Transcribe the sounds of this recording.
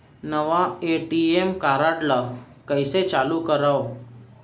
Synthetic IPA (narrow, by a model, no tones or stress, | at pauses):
nəʋaeʈiemkaɾaɽla | kəjset͡ɕalukəɾaw